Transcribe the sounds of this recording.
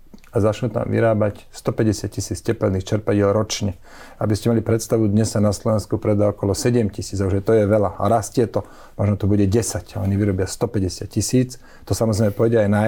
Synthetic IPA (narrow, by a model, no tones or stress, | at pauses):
azat͡ʃnut̪a̰mʋḭɾaːbacst̪ɔpɛɟɛsɪat̪cisiːt͡scɛpɛlniːxt͡ʃɛɾpaɟɪɛlɾɔt͡ʃɲɛ | a̰biscɛmalipɾɛt̪st̪aʋud̪ɲɛsanaslɔʋɛnskupɾɛd̪aɔkɔlɔsɛɟɛmcisiːd͡zauʒɛt̪ɔjɛʋɛlaaɾascɪɛt̪ɔ | mɔʒnɔt̪ɔbuɟɛɟɛsacaɔɲiʋiɾɔbɪast̪ɔpɛɟɛsɪat̪̚cisiːt͡s | t̪ɔsamɔzɾɛɪjmɛpɔjɟɛajna